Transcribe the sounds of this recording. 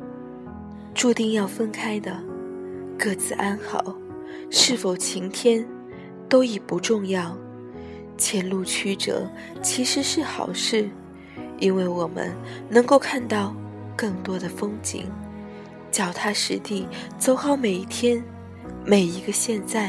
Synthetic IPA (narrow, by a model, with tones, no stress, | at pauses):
ʈ͡ʂu˥˧t̪i˥˧ŋjɑ˥˧ʊfə˥nkʰa˥ɪd̪ə˨ | kɤ˥˩t͡sɹ̩˨˩ʔa˥nxɑ̰˨˩˦ʊ | ʂɻ̩˥˩fo˨˩ʊt͡ɕʰi˧˥ŋt̪ʰjɛ˥n | t̪o˥ʊi˨˩pu˧˥ʈ͡ʂʊ˥˧ŋjɑ˥˩ʊ | t͡ɕʰjɛ˧˥nlu˥˩t͡ɕʰy˥ʈ͡ʂɤ̰˨˩˦ | t͡ɕʰi˧˥ʂɻ̩˧˥ʂɻ̩˥˩xɑ̰˨˩ʊʂɻ̩˥˩ | i˥nwe˥˩ɪwɔ˨˩mə̰˦nnɤ˧˥ŋko˥˧ʊkʰa˥˧nt̪ɑ˥˧ʊ | kɤ˥˩ŋt̪wɔ˥d̪ə˨fɤ˥ŋt͡ɕḭ˧˥ŋ | t͡ɕjɑ˨˩ʊt̪ʰa˥ʂɻ̩˧˥t̪i˥˩t͡so˥ʊxɑ˥˩ʊme˨˩ɪi˥˩t̪ʰjɛ˥n | me˨˩ɪi˧˥ɡə˧ɕjɛ˥˧nt͡sa˥˩ɪ